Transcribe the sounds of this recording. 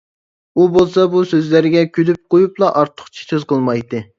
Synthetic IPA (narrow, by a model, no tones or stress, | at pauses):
ubolˠsɑbusøzlæɾɪɡʲɛkʲʰylyp̚qojuplˠɑʔɑɾt̪ʰːʊ̥χt͡ʃʰi̥søzqəlˠmɑjt̪ɨ